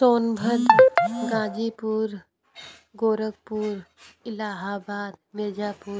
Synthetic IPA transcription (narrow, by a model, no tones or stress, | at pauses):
soːnbʱəd̪ɡãːd͡ʒiːpuːɾ | ɡoːɾəɡ̚puːɾɪlaːɦaːbaːd̪̚meːd͡ʒaːpuːɾ